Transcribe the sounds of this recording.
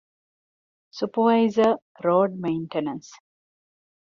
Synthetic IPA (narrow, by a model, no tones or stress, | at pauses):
supəʋaɪzə | ɾɔːɖ̚mẽɪ̃ɳʈenə̃ns